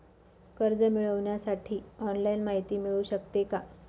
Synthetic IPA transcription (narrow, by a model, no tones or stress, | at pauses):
kəɾd͡zəmiɭəʋɳjasaʈʰiːɔnlajinmaɦit̪iːmiɭuːɕəkt̪eka